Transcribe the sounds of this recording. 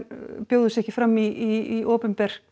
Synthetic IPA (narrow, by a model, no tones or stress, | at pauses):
pjoːwðʏsɛhcɪ̥fɾamːiiiʔoːpʏmpɛɾ̥